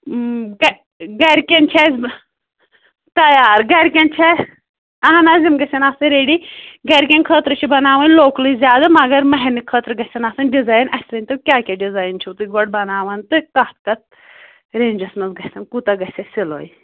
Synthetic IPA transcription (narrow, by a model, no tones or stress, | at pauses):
ɡ | ɡɐɾkʲent͡ʃʰɛzʲ | t̪ɐjaːɾɡɐɾkʲɐnt͡ʃʰe | ɐɦanaːzimɡɐsʲɐnaːsɨɾeːɖiɡɐɾkʲɐnkʰəːt̪ɾɨt͡ʃʰibɐnaːʋɐnloːklizʲjaːd̪amɐɡɐɾmɐɦɛnɨkʰəːt̪ɾɡɐsʲɐnaːsɐnɖizaːjnɐsʲɾɐnʲt̪ɨkʲaːkʲaɖizaːjnt͡ʃʰut̪ɨɡɔɽ̚bɐnaːʋɐnt̪ɨkɐt̪kɐt̪̚ | ɾeːnʲd͡ʒɐsnɐzɡɐsɐnkut̪ɐɡɐsʲɐsilo̰ːji